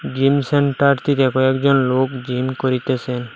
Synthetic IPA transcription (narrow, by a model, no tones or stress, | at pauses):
d͡ʒimsɛɳʈaɾt̪it̪ɛkɔɛkd͡ʒɔnlokd͡ʒimkɔɾit̪esɛn